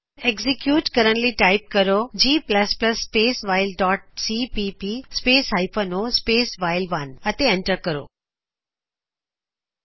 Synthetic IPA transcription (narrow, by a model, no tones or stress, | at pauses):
eɡzikjuːʈkəɾəɳliʈaɪp̚kəɾod͡ʑiːpləspləsːpeːsʋaɪlɖɔːʈ̚siːpipispeːsɦaɪpʰənospeːsʋaːɪlʋɐnət̪eẽɳʈəɾkəɾo̰ː